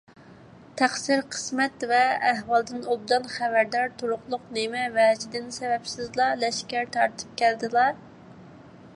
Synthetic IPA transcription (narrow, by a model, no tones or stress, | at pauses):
t̪ʰæχsiɾqʰə̥smɛt̪vɛːɦwɑlˠd̪ɨnolˠd̪ɑnχævæɾd̪ɑɾt̪ʰoɾʊqlˠʊqnemɛvɛd͡ʒid̪ɪnsɛvɛpsɪzlˠɑlɛʃkʲæɾt̪ʰɑɾt̪ʰɨ̥p̚kʲʰæld̪ɨlˠɑɾ